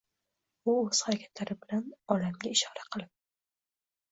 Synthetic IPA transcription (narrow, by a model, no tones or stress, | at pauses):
ʊɵz̥haɾakʲʰḁt̪laɾɪbɪlanɒlamɡʲaɪʃɒɾaqʰɨlˠɪp̚